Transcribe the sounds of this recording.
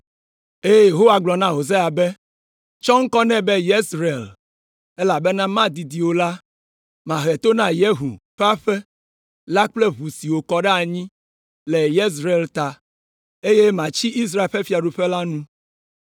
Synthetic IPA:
e˦je˦je˨ɦo˦wa˨ɡ͡blɔ˨nã˦ɦo˨ze˦a˨be˦ | t͡ʃɔ˦ŋ̩˦kɔ˦nɛ̃˦bɛ˦je˦sɾe˨l | ɛ˦la˨be˦nã˦mã˦d̪i˨d̪i˨wo˨la˦ | mã˨ɦɛ˨t̪o˦nã˦je˦ɦṵ˨ɸe˦a˦ɸe˦ | la˦k͡ple˦βu˨si˨wo˨kɔ˨ɖɛ˦a˨ɲĩ˦ | lɛ˨je˦s̬ɾe˨lt̪a˨ | e˦je˦mã˨t͡ɕi˦i˦s̬ɾa˦e˨ɸe˦fi˦a˨ɖu˨ɸɛ˦la˦nũ˦

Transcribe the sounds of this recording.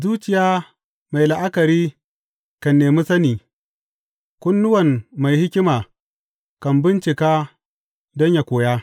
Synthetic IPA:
zuː˦t͡ʃɪ˨jaː˦ | ma˨jla˨ʔa˦kɐ˨ɾiː˦ | kɐ˨nːeː˨mi˦sɐ˦niː˨ | kʷʊ˦nːʊ˦wɐ˨nma˨jhɪ˦kʲɪ˦maː˨ | kɐ˨mbɪ˦nt͡ʃɪ˨kaː˦ | dɔ˦ɲja˨kʷoː˨jaː˦

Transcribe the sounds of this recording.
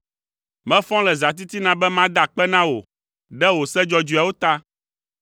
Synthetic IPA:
mɛ̃˦fɔ̃˦lɛ˨za˨t̪̬i˦t̪i˦nã˨bɛ˦mã˦d̪a˨k͡pɛ˦nã˦wo˨ | ɖɛ˦wo˨sɛ˦d͡ʒɔ˦d͡ʒu˨a˨wo˦t̪a˦

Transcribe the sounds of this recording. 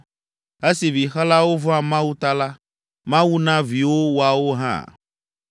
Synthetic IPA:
e˦si˨vi˨xa˦la˦wo˦vɔ˦a˨mã˦wu˦t̪a˦la˦ | mã˦wu˦nã˦vi˨wo˦wo˨a˨wo˦ɦã̰˦˨

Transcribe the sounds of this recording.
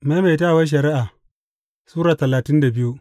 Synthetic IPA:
ma˦ma˨jtaː˦˨wɐ˦ʃ̬ɐ˨ɾɪ˦ʔaː˨ | suː˦ɾaː˨tɐ˨laː˨tɪ˦nda˨bɪ˦ju˦ʔ

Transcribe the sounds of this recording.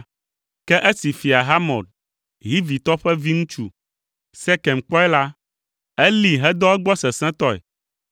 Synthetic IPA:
kɛ˦ʔe˦si˨fi˨a˨ɦa˦mɔ̰̃˨d̚ | ɦi˦vi˨t̪ɔ˦ɸɛ˦vi˦ŋũ˦t͡ʃu˦ | sɛ˦kɛ˨mk͡pɔ˦ɛ˦la˦ | ɛ˦li˨ɦɛ˦d̪ɔ˦ɛ˦ɡ͡bɔ˦sɛ˨sɛ̃˦t̪ɔ˦ɛ̰˨

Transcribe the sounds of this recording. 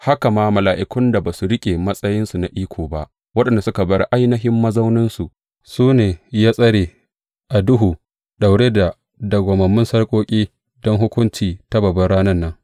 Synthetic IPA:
ha˦ka˨maː˦mɐ˨laː˨ʔɪ˨kʷʊ˦nda˨baː˨su˨ɾɪ˦kʲʼe˨mɐ˦sʼɐ˦jɪ˦nsu˨na˨ʔiː˦kʷʰoː˨ba˦ʔ | wɐ˦ɗɐ˨nda˨sʊ˦ka˨bɐ˦ɽʔa˦jnɐ˦ɦɪ˦mːɐ˦zɐ˦wnɪ˦nsu˨ʔ | suː˦neː˨jaː˦sʼɐ˦ɽeː˨ | ʔa˨dʊ˦ɦuː˨ | ɗa˨wɽeː˦da˨ | dɐ˨ɡʷɐ˨mɐ˨mːʊ˦nsɐ˦ɽkʷʼoː˦kʲʼiː˦ | dɔ˦ŋɦʊ˦kʷʊ˦nt͡ʃiː˨ta˦bɐ˨bɐ˦ɽaː˦nɐ˦nːɐ˦ŋ

